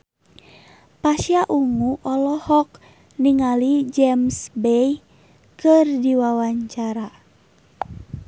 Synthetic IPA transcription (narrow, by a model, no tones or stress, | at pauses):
pasiaʔuŋuʔɔlɔhɔk̚ | niŋalid͡ʒɛmsbɛj | kərdiwawaɲt͡ʃaɾa